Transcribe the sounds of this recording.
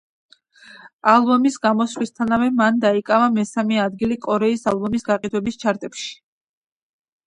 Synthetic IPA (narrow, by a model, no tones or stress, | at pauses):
alˠbɔmisɡamɔsvlist̪ʰanavɛmand̪aikʼavamɛsamɛad̪ɡilikʼɔɾɛisalˠbɔmisɡaqʼid̪wɛbist͡ʃʰaɾt̪ʼɛpʃi̥